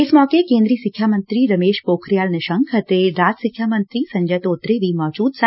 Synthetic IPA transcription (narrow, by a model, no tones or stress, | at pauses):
ɪsmɔːkekẽːnd̪ɾiːsikʰjamənt̪ɾiɾɐmeːʃpoːkʰɾijaːlnɐʃəŋkʰət̪eɾaːd͡ʒsikʰjamənt̪ɾiːsɐ̃ɲd͡ʒəjt̪oːt̪ɾeʋimɔːd͡ʒuːd̪sa